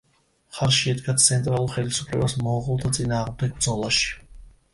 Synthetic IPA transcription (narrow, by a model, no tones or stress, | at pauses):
χaɾʃiɛd̪ɡat̪sʰɛnt̪ʼɾalˠuɾχɛlisupʰlɛ̰basmɔʁulˠt̪ʰat̪sʼinaːʁmd̪ɛɡ̚bɾd̪zɔlˠaʃi̥